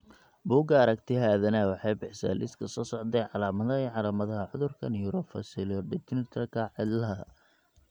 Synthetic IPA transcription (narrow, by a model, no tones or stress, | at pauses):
buːɡɐɐɾɐkt̪ʰɪɦaːðɐnɐwɑħɑjbɪħsɛ̰ːlʔɪskʰɐsɔːsɔʕd̪ɛjʕɑlaːmɐðɐiːʕɑlaːmɐðɐɦɐʕʊðʊrkʰɐnjuːɾɔfɐ̰sɪlɔɖɪt̪ɪnɪt̪ʰɐrkʰɐʕɪd̪lɐɦɐ